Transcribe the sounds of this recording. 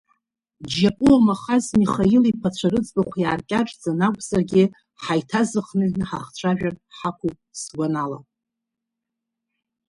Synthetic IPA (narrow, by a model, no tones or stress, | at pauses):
d͡ʒapʼuamaχazmiχailipʰat͡ɕʷʰaɾɨd͡zbaχʷjaːrkʲʼaʈ͡ʂʼd͡zanakʷʼzarɡʲɪ | ħajtʰazɨχnɨnħaχt͡ɕʷʰaʒᶣarħakʷʰupʼsɡʷanala̰